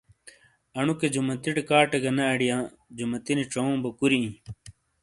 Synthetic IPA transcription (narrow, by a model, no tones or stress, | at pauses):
ɐɳuked͡ʑumɐt̪iʈkaːʈɐɡɐnɐɐɽijãː | d͡ʑumɐt̪iniʈ͡ʂɐõːbɐkuɾiĩ